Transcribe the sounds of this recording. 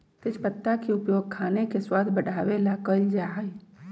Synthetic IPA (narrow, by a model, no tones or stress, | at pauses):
t̪ɪt͡ʃpət̪ːakiʊpjoːɡ̚kʰaːnekeswaːd̪ʱbəɽʱaːʋelakəld͡ʒaɦəj